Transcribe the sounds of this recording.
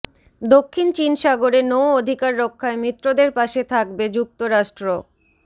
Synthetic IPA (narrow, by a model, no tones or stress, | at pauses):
d̪okʰːint͡ɕinʃaɡoɾenowod̪ʱikaɾːokʰːaemit̪ːɾod̪eɾpaʃet̪ʰak̚bed͡ʑuk̚t̪oɾaʃʈɾo